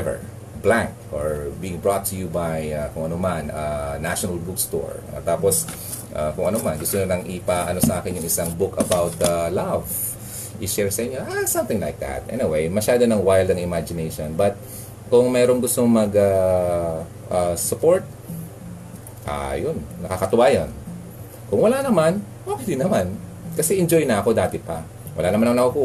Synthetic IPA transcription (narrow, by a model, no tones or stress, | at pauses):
ɛvɛ̰ɹ | blãŋkoɹbiːɪŋbɹot̪ːʊjubajakʊŋʔɐnomanɐnaʃonɐlbʊkst̪o̰ɹɐ̰t̪aːpos | ʔakʊŋʔɐnomɐnɡʊst̪oɲonɐŋʔɪpaʔɐno̞sɐʔaːkɪnjʊŋɪsaŋbʊkɐbawt̪alav | ʔɪʃɛɹsɐʔɪɲɲoʔasɐ̃mt̪ɪ̃ŋlajk̚d̪a̰t̪̚ʔɛ̰nɪwejmɐʃaːd̪onɐŋwajld̪ɐŋɪmad͡ʒɪnejʃonbɐt̪̚ | kʊŋmɛːɾo̞ŋɡʊst̪o̞ŋmɐɡa | ʔɐsʊpo̞ɹt̪̚ | ʔa̰jonːɐkakɐt̪ʊwaːjɐn | kʊŋwɐlanɐman | ʔoːkɛd̪ɪnːɐman | kɐsɛʔɪnd͡ʒo̞jnɐʔɐko̞d̪aːt̪ɛpɐ | wʔɐ̰lanɐmanɐaŋnɐkɐkuː